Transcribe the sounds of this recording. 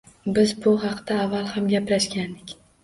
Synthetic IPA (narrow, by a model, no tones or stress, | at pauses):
bɪzbʊɦɑqd̪̥aːvːalˠhamɡʲapɾaʃkʲand̪ɪkʲ